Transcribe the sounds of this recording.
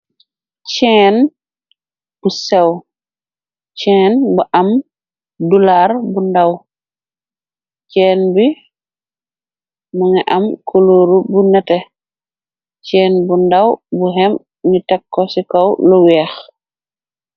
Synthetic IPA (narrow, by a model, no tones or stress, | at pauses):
t͡ʃɛːn | b̥usɛw | t͡ʃɛːnbuʔam | dulaɾbundaw | t͡ʃɛːnbi | muŋɛʔamkʰoloːɾubunɛtɛ | t͡ʃɛːnbundawbuɦɛm | nitakːɔsikɔwlɔwɛːx